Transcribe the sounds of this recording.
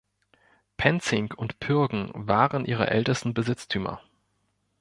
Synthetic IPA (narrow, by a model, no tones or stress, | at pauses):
pʰɛnt͡sɪŋkʰʊntpʰʏɐɡŋ̩vaːʁənʔiːʁə̰ʔɛ̰ltəstn̩bəzɪt͡stʰyːmɐ̰